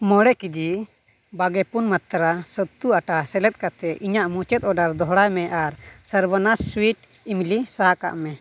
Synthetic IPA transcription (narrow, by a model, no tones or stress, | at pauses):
mɔɽɛkid͡ʒi | baɡɛpunmat̪ɾasət̪ːuaʈasɛlɛt̪̚ˀkat̪ɛʔiɲaʔmut͡ʃɛt̪̚ˀɔɖaɾd̪ɔɦɽajmɛʔaɾsəɾbanasswiʈ̚ | imlisaɦaka̰ʔmɛ